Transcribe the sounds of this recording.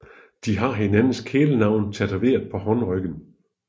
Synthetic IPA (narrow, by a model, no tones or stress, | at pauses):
d̥iɦɑ̈ɦenænn̩skʰeːlənɑ̈ʊ̰nt͡sʰæd̥ʰæʋe̝̰ːɐðˠpʰɒ̽hɒ̽nʁœɡ̥n̩